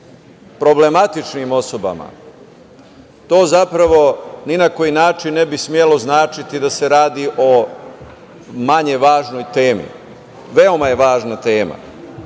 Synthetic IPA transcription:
pɾo̞ble̞mat̪it͡ʃnimo̞so̞ba̰ma̰ | t̪o̞ːzapɾaʋo̞ninako̞jinaːt͡ʃinːe̞bismjelo̞znaːt͡ʃit̪id̪ase̞ɾaːd̪iʔo̞ | maɲeʋaːʒno̞jt̪e̞ːmḭ | ʋe̞o̞maje̞ʋaːʒnat̪e̞ːma̰

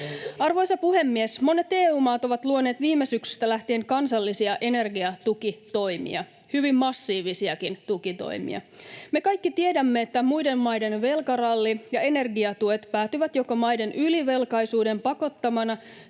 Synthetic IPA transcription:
ɑrʋo̞jsɑpuɦe̞mːiesmo̞ne̞t̪e̞ːuːmɑːt̪o̞ʋɑt̪luone̞ːt̪ʋiːmːesyksy̥st̪ælæht̪ieŋkɑnsɑlːisiɑʔe̞ne̞rɡiɑt̪ukit̪o̞jmḭɑ | hyʋimːɑsːiːʋisiɑkint̪ukit̪o̰jmḭɑ̰me̞kɑjkːit̪ie̞dæmːe̞ːt̪ːæmujde̞mmɑjde̞nʋe̞lkɑrɑlːijɑe̞ne̞rɡiɑt̪ue̞t̪pæːt̪yʋæt̪jo̞komɑjde̞nyliʋe̞lkɑjsuːde̞mpɑko̞t̪ːɑmɑnɑ

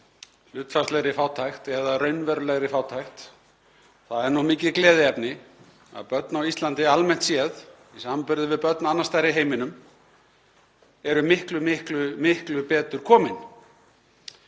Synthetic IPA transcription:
l̥ʏːt̪fast̪lɛɣɾɪfaːwt̪ʰajxt̪ɛðarœɥnvɛɾlɛɣɾɪfaːwt̪ʰajxt̪ | θaðɛɾnɔhmiːcɪðklɛːðɪɛpnɪ | a̰ðpœt̪nawist̪lant̪ɪalmɛn̥t̪sjɛð | isampʏɾðɪvɪðpœt̪naanːast̪ajɾɪɦeːjmɪnʏm | ɛɾʏmɪhklʏmɪhklʏmɪhklʏpɛːt̪ʏɾ̥kʰɔːmɪn

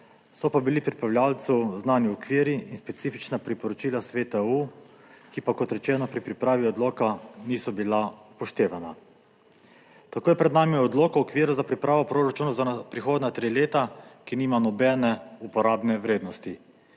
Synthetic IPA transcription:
sɔpabilipɾipɾawlʲjaːlt̪suznaːniɔkʋiːɾiinspɛt̪siːfit͡ʃnapɾipɔɾɔt͡ʃiːlasʋeːt̪au | kipakɔt̪ɾɛt͡ʃɛːnɔpɾipɾipɾaːʋiɔd̪loːkaniːsɔbilapɔʃt̪eːʋana | t̪akoːjɛpɾɛd̪naːmiɔd̪loːkaɔkʋiːɾuzapɾipɾaːʋɔpɾoːɾat͡ʃuːnazanpɾixoːd̪nat̪ɾiːleːt̪akiniːmanɔbɛːnɛupɔɾaːbnɛʋɾeːd̪nɔst̪i

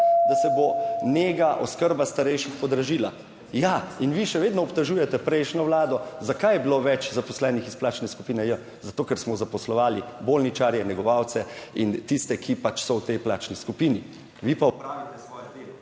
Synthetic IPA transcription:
d̪asɛboneːɡaʔɔskəɾbast̪aɾɛjʃixpɔd̪ɾaʒiːla | jainʋiʃɛʋeːd̪nɔɔpt̪ɛʒuːjɛt̪ɛpɾɛjʃnɔʋlaːd̪ɔzakajɛbiloʋɛt͡ʃzapɔslɛnixisplaːt͡ʃnɛskupiːnɛjə | zat̪oːkɛɾsmɔzapɔslɔʋaːlibolnit͡ʃaːɾjɛnɛɡɔʋaːwt̪sɛint̪ist̪ɛkʰipat͡ʃsɔwt̪ɛjplaːt͡ʃniskupini | ʋipaɔpɾaːʋit̪ɛsʋɔːjɛd̪eːlɔ

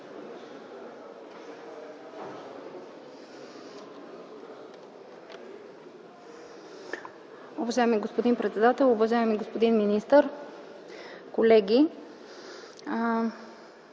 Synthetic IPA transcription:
uvɐʒaɛmiɡospod̪inpɾɛt̪sɛd̪at̪ɛlˠʊvɐʒaɛmiɡospod̪inminist̪əɾ | kolɛɡʲi

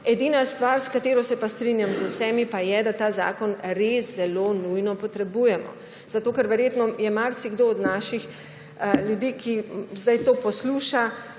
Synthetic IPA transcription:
ɛd̪iːnast̪ʋaɾskat̪eːɾɔsɛpast̪ɾinjamzwsɛmipajɛd̪at̪aːza̰ːkɔnɾeszɛloːnujnɔpɔt̪ɾɛbujɛmɔ̰ | z̥at̪oːkɛɾʋɛɾjeːt̪nɔjɛmaɾsiɡd̪oɔd̪naːʃix | ljud̪iːkizd̪ajt̪oːpɔsluːʃa

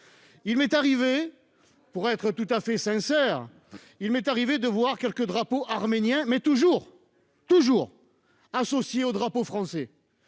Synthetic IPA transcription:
ilmɛt̪aʁive | puʁɛt̪χət̪ut̪afɛsɛ̃sɛːʁ | ilmɛt̪aʁived̪əvwaʁkʲɛlkəd̪ʁapoʔaʁmenjɛ̃mɛt̪uʒuʁ | t̪uʒuːʁ | asɔsjeod̪ʁapofχɑ̃sɛ

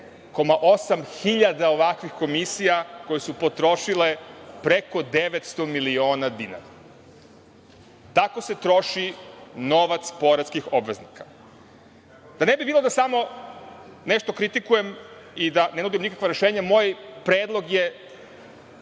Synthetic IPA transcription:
ko̞maʔo̞samxiʎad̪aoʋakʋixko̞misijako̞jesupo̞t̪ɾo̞ʃilepɾe̞ko̞d̪e̞ʋet̪st̪o̞milio̞ːnad̪ina̰ɾa | t̪ako̞se̞t̪ɾo̞ʃino̞ʋat̪spo̞ɾat̪skixo̞bʋe̞znikḁ | d̪ane̞bibilˠod̪asamo̞ | ne̞ʃt̪okɾit̪ikuje̞mid̪ane̞nud̪imnikakʋaɾe̞ʃe̞ːɲamoːjpɾeːd̪lˠo̞ɡje̞

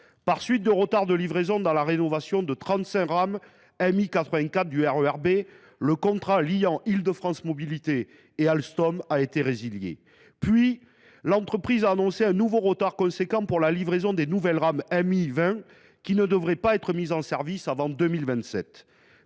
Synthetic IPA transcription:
paʁsɥit̪̚d̪əʁət̪aʁd̪əlivʁezɔ̃d̪ɑ̃laʁenɔvasjɔ̃d̪ət̪χɑ̃t̪sɛ̃ʁam | ɛmikat̪χəvɛ̃kat̪̚d̪yɛʁøɛʁbe | ləkɔ̃t̪χalijɑ̃ʔild̪əfχɑ̃smɔbilit̪eː | alst̪ɔmaet̪eʁeziljḛ | pɥi | lɑ̃t̪χəpχizaːnɔ̃seɛ̃nuvoʁət̪aʁkɔ̃sekɑ̃puʁlalivʁezɔ̃d̪enuvɛlʁamɛmivɛ̃ | kʲinəd̪əvʁɛpaɛt̪χəmizɑ̃sɛʁvisavɑ̃d̪əmilvɛ̃nt̪sɛt̪

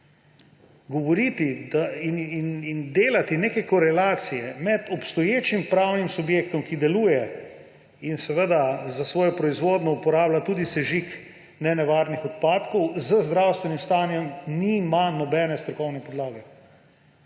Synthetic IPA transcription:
ɡɔʋɔɾit̪id̪aininind̪eːlat̪ineːkɛkɔɾɛlaːt̪sijɛmɛd̪ɔpst̪ɔjeːt͡ʃimpɾawnimsubjeːkt̪ɔmkid̪ɛluːjɛ | insɛʋəd̪azasʋɔːjɔpɾɔizʋoːd̪nɔupɔɾaːblat̪uːd̪isɛʒik | nɛnɛʋaːɾnixɔt̪̚paːt̪kɔwzəzd̪ɾawst̪ʋɛnimst̪aːnjɔmnimanɔbɛːnɛst̪ɾɔkɔwnɛpɔd̪laːɡɛ

